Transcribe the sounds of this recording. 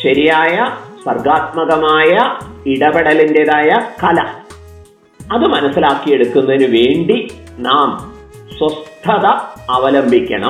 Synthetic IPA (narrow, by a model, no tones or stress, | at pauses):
ɕɐɾijaːjɐswɐrɡaːt̪̚mɐɣɐmaːjɐiɽɐbeɽɐlindeðaːjɐkɐlɐ | ɐðɨmɐnɐsːilaːkːije̞ɽukːunːɐðinɨʋe̞ːɳɖi | naːm | swɐst̪ʰːɐðɐːʋɐlɐmbʱikʲːɐ̰ɳɐ̰m